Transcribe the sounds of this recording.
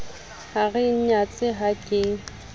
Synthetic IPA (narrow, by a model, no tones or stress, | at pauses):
haɣɪɲat͡sʼɪɦakʼɪŋ